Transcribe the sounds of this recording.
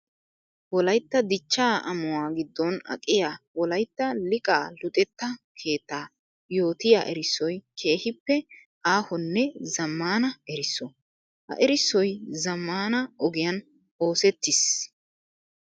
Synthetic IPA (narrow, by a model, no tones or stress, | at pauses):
wɔlɐjt̪ːɐd̪ɪt͡ʃːaːʔɐ̰mʊwaːɡɪd̪ːɔnɐ̰kʼɪjaːwɔlɐjt̪ːɐlɪkʼaːlʊt̪ʼɛt̪ːɐkʰe̞ːt̪ːaː | jo̞ːt̪ɪjaːʔɛɾɪsːɔjkʰe̞ːhɪpːɛ | ʔaːhɔnːɛzɐmːaːnɐɛɾɪsːɔ | hɐ̰ʔɛɾɪsːɔjzɐmːaːnɐɔɡɪjɐn | o̞ːsɛt̪ːɪs